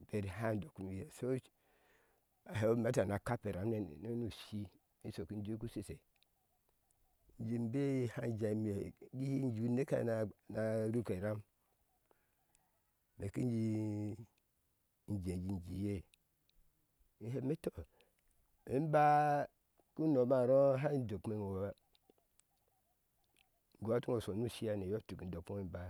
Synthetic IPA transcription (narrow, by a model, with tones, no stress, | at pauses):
be˨ɾi˨ɦa˦˨ndo˨ku˨mi˨je˨so˦ | a˨ɦe˨o˦me˦ta˨na˨ka˦pe˨ɾa˨mne˨n̰˨no˦nu˨ʃi˦ | i˦so˨ki˦n˦d͡ʒi˦ku˦si˦˨se˨ | n˦d͡ʒi˨mbe˦ha˦n˦d͡ʒa˨˦m˦˨e˨ɡi˦i˦n˦d͡ʒi˨u˦ne˦ka̰˦˨na˨na˨ɾu˦ke˨ɾa˦m | me˨ki˦n˦d͡ʒi˦˨ | n˨d͡ʒe˨d͡ʒi˨nd͡ʒi˨je˦ | i˨he˨˦me˦to˦ | i˦m˦ba˦ | ku˦no˨ma˦˨ɾo˦ɦa˦i˦n˦do˨kme˦ŋo˨wa˦ | ŋ˨ɡo˨a˦tu˦ŋo˨so˨nu˦ʃi˦ja˦ne˨jo˦tu˨ki˨do˨ko˦i˦ba˨